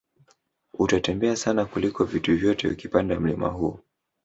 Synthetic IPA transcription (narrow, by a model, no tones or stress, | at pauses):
utatɛmbɛasanakulikɔvituvjɔtɛṵkipandam̩lima̰ɦu